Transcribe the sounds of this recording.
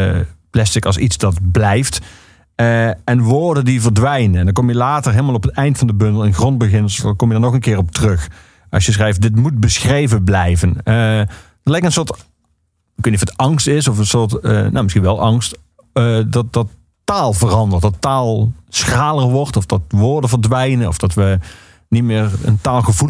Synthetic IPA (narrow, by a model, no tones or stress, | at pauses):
plɛstɪkɑlˠsitsdɑtblɛjft | ɛnʋoːɹdəndivəɹdʋɛjnənɛndɑnkɔmjəlaːtəɹɦeːlˠmalˠɔpətɛjntfɑndəbɵndəlˠɪnxrɔnd̚bəɣɪnskɔmjədaɹnɔχənkɪːɹɔp̚tərɵx | ʔɑ̰sjəsχrɛjft̚dɪtmut̚bəsxrejvənblɛjvən | dɑtlɛjkənsʊːɹt | əkeniɔətɑŋstɪsɔfənsʊːɹtːno̰mɪsxinʋɛlˠʔɑŋst | dɑt̚dɑtː | aːlˠvərɑndəɹtdɑtaːlˠsxaːlˠərʋɔɹtɔfd̥ɑtʋoːɹdəvəɹdʋɛjnənɔ̰fd̥ɑtʋə | nitmɪːɹə̰ntaːlˠɣəvu